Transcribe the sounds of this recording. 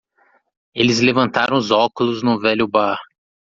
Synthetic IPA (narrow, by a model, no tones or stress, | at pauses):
elɪzlevɐ̃nt̪aɾɐ̃ʊzɔkʊlʊznʊvɛlʲʊbaɾ